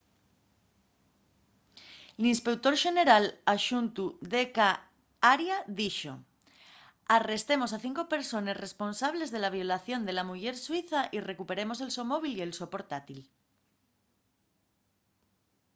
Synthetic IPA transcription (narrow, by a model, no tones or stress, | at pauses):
linspe̞kt̪o̞ɾʃe̞ne̞ɾalaʃunt̪uðeka | aɾjaðiʃo̞̰ | are̞st̪e̞mo̞saθiŋko̞pe̞ɾso̞nesre̞sponsaβ̞le̞zðe̞laβ̞jo̞laθjo̞nd̪e̞lamuʝe̞ɾswiθaʔire̞kupe̞ɾe̞mo̞se̞lso̞mo̞β̞ilie̞lso̞po̞ɾt̪at̪il